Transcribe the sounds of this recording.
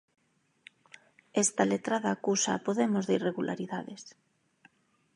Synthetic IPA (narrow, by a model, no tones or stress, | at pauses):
est̪alet̪ɾaðaːkusaːpoðemozðeireɣulʔa̰ɾiðaðes